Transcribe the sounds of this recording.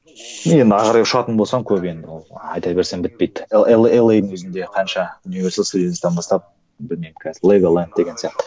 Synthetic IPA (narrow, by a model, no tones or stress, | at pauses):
nje̞nd̪ɪɑʁɑɾɑjʊʃɑt̪ənbolˠsɑmkʲʰɵpe̞nd̪ɪwolˠɑ̰jt̪ɑbe̞ɾse̞mbɪt̪̚pejd̪elˠelˠejd̪ɪŋwɵzɪnd̪e̞qʰɑnʃɑunivesɑlˠst̪ud̪ʲest̪ɑnbɑst̪ɑp̚ | bɪlme̞jmkʰʲæzlˠeɡolˠant̪̚d̪e̞ɡʲensijɑqt̪ə̥